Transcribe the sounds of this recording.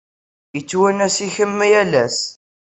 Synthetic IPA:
jət͡sːwənæsiçəmːijælæs

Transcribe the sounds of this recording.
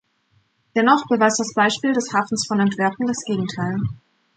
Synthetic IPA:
d̥ɛnɔχb̥əvaɪsd̥asb̥aɪʃpiːldɛshaːfn̩sfɔnɛntv̥ɛɐkŋ̩dasɡ̥eːɡŋ̩tʰaɪl

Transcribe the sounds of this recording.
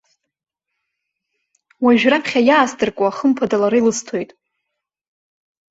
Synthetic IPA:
waʒᶣrapχʲajaːsdʼɨrkʷʼaaχəmpʰadalaɾɨjlɨstʰo̞jtʼ

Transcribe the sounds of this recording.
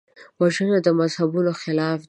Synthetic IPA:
waʒənad̪əmazhabunoxɪlɑf

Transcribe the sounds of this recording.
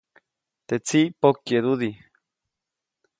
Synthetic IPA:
t̪et͡siʔpokjeðuði

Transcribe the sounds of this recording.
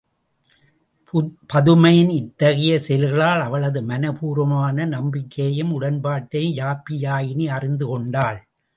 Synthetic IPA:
pɐðɯmɐjɪnɪt̪ːɐɣɐjɐsɛlɣɐɭaːlɐʋɐɭɐðɯmɐnɐpuːɾɐmaːnɐnɐmbɪkːɐjɯmʊɽɐnpaːʈːɐɪjaːpːɪjaːjɪniɐrɪnd̪ɯkɔɳɖaːɭ

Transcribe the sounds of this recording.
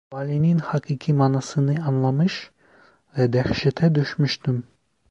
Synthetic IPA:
vɑlininhɑkʼikʰimɑnɑsɯniɑnlˠɑmɨʃ | ðɛd̪ɛχʃɛt̪ʰɛd̪øʃmiʃt̪um

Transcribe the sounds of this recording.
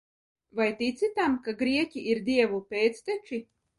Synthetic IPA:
vajt̪it̪sit̪amkaɡɾiɛcʲiiɾd̪ʲiɛvupʲeːt̪st̪et͡ʃi

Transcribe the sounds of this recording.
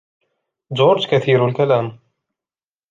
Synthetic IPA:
d͡ʒoːɾd͡ʒkaθiːɾalkalaːm

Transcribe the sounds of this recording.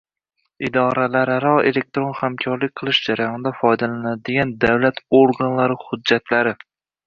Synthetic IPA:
ɪd̪ɒɾalaɾaɾɒḛlek̚t̪ɾonhamkʲʰɒɾlɪk̚ʲqʰɨlˠɪʃd͡ʒaɾajɒnɪd̪afɒjd̪alanad̪ɪɡʲand̪awlat̪ʰoɾɡanlaɾɪhʊd̪d͡ʒːat̪laɾɪ

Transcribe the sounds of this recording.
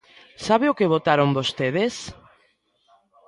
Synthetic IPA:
saβeʊkeβot̪aɾoŋbost̪eðes

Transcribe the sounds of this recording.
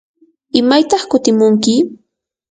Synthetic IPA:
ɪmajt̪ɑχkʊt̪ɪmʊŋkɪ

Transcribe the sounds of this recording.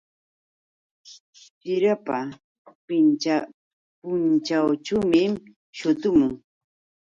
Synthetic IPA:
t͡ʃɪɾapa | pɪnt͡ʃa | pʊnt͡ʃawt͡ʃamɪm | ʃʊt̪ʊmʊŋ

